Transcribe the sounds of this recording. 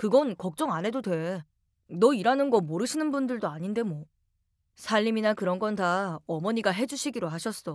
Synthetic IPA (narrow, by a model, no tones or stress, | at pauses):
kɯɡʌnkʌk̚t͡ɕ͈ʌŋanɦe̞dodwe̞ | nʌiɾanɯnɡʌmoɾɯɕʰinɯnbundɯɭdoaɲinde̞mʌ | sʰaʎːiminakɯɾʌnɡʌntaʌmʌɲiɡaɦe̞d͡ʑuɕʰiɡiɾoɦaɕʰʌs͈ʌ